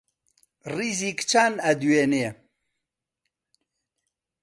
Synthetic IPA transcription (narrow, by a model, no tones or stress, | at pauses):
rizikt͡ʃʰanɐd̪uwene